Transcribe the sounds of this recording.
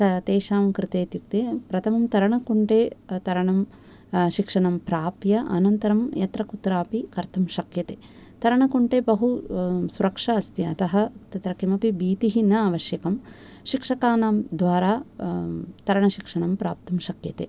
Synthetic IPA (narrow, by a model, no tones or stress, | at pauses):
t̪ɐt̪eːʃaːmkɾɪt̪eːt̪juk̚t̪eːpɾɐt̪ʰɐmɐmt̪ɐɾɐɳɐkuɳʈeːt̪ɐɾɐɳɐm | ʃikʂɐɳɐmpɾaːpjɐʔɐ̰nɐnt̪ɐɾɐmjɐt̪ɾɐkut̪ɾaːpikɐɾt̪ʰɐmʃɐkjɐt̪eː | t̪ɐɾɐɳɐkuɳʈeːbɐɦusuɾɐkʂɐɐst̪iɐt̪ɐɦɐt̪ɐt̪ɾɐkimɐpibiːt̪iɦinɐaːʋɐʃjɐkɐm | ʃikʂɐkaːnaːmd̪ʋaːɾaː | t̪ɐɾɐɳɐʃikʂɐɳɐmpɾaːp̚t̪ɐmʃɐkjɐt̪ḛː